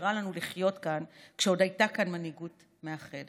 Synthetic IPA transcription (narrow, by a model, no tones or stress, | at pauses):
ʁalanuliχjo̞tkankʃeo̞dajtakanmaniɡut | meaχed